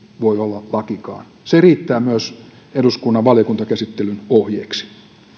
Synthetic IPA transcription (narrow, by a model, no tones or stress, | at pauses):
ʋoiolːɑlɑkikɑ̰ːn | seriːt̪ːæːmyøs | eduskunːɑʋʋɑljokunt̪ɑkæsit̪ːelynohjeːksi̥